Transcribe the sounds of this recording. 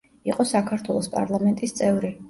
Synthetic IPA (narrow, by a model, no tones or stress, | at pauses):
iqʼɔsakʰaɾt̪ʰwɛlˠɔspʼa̰ɾlˠamɛnt̪ʼist̪sʼɛvɾi